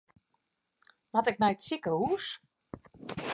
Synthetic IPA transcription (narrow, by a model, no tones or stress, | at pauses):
ʋɔtɪk̚mɛjtsikəuːs